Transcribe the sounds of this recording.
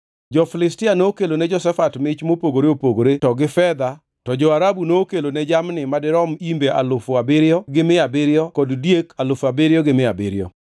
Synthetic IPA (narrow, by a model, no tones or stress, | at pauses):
d͡ʒɔfɪlɪstɪanoːkelonɛd͡ʒɔsɛfatmɪt͡ʃmopoɡoɾeopoɡoɾetɔɡɪfɛd̪a | tɔd͡ʒɔaɾabunoːkelonɛd͡ʒamnɪmadɪɾɔmimbeʔalʊfʊabɪɾɪɔɡɪmɪabɪɾjɔkɔddjekalʊfabɪɾɪjɔɡɪmɪabɪ̰ɾjɔ̰